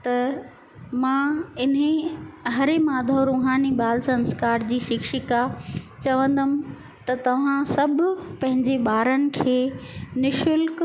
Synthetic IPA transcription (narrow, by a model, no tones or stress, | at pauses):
t̪ɐ | mãːɪnɦẽɦɐɾemaːd̪ʱoɾuːɦaːniɓaːlsɐ̃nskaːɾd͡ʑiːʃɪkʃɪkat͡ɕɐʋə̃nd̪əmɪ̆ | t̪ɐt̪ɐʋ̤ãsɐbʱʊ̆pɐ̃ɦɪ̃ɲd͡ʑeɓaːɾənɪ̆kʰeːnɪʃʊlk